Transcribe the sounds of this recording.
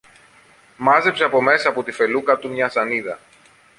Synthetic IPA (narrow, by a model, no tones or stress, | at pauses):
mɐze̞pse̞ɐpo̞me̞sɐːpot̪ife̞lukɐt̪umɲɐsɐniðɐ